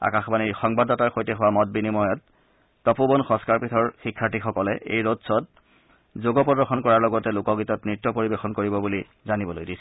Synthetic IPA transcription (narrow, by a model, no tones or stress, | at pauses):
a̰kaxbaniɹxɔŋbadɔtaɹxojtɛxʊwamɔt̚binimɔjɔtː | ɔpubɔnxɔ̃skaɹpɹitʰɔɹxikʰːaɹtixɔkɔlɛʔḛjɹotsɔt̚ | zoɡɔpɔdɔɹxɔnkɔɹaɹlɔɡɔtɛlʊkɔɡitɔtnɹitːɔpoɹibexɔnkoɹibɔbuli | zanibɔlo̰jdisɛ